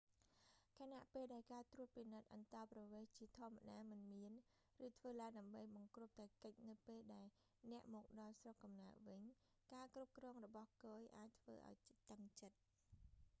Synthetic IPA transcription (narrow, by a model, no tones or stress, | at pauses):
kʰanaʔpeːlɗaɛlkaːt̪ruəp̪̚pinɨt̪̚ʔɑnt̪ɑːprɑʋeːht͡ɕiət̪ʰŏəmːaɗaːmɨnmiən | rɨːt̪ʰʋəːlaəŋɗaəmɓəjɓɑŋkruəp̚t̪aːkəc̚nɨwpeːlɗaɛl | nɛ̆əʔmɔːk̚ɗɑlsrokːɑmnaəʋɨɲ | kaːkrup̚krɔːŋrɔɓɑhkoːjʔaːc̚t̪ʰʋə̰ːʔa̰ɔjt̪əŋt͡ɕət̪̚